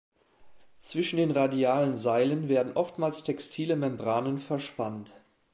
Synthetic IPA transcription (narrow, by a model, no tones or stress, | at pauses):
t͡sv̥ɪʃn̩deːnʁadiaːlənzaɪlənveːɐdn̩ʔɔftmaːlstʰɛkstʰiːləmɛmbʁaːnənfɛɐʃpant